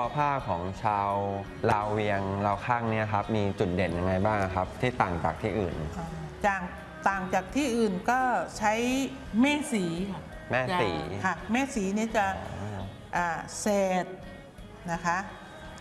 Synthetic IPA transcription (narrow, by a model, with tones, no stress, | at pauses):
ɔ˧pʰaː˥˩kʰɔː˩˦ŋt͡ɕʰaː˧w | laː˧wːi˧əŋlaː˧wkʰaː˥˩ŋni˦˥ɐkʰa˦˥p̚miː˧t͡ɕu˨˩t̪̚de˨˩nja˧ŋːa˧jbaː˥˩ŋa˧kʰa˦˥p̚t̪ʰiː˥˩t̪aː˨˩ŋt͡ɕa̰ː˨˩k̚t̪ʰiː˥˩ʔɯ̰ː˨˩nʔaː˧˩t͡ɕaː˨˩k̚ | t̪aː˨˩ŋt͡ɕaː˨˩k̚t̪ʰiː˥˩ʔɯː˨˩nkɔː˥˩t͡ɕʰa˦˥j | mɛː˥˩siː˩˦kʰa˥˩ | mɛː˥˩sḭː˩˦kʰa˥˩mɛː˥˩siː˩˦ni˥˩t͡ɕa˨˩ | ʔaː˨˩sɛː˨˩t̪̚ | na˦˥kʰa˦˥ʔ